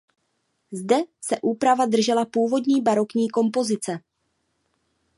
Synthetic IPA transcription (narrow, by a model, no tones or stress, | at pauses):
zdɛsɛʔuːpɾavadr̩ʒɛlapuːvo̞dɲiːbaɾo̞kɲiːko̞mpo̞zɪt͡sɛ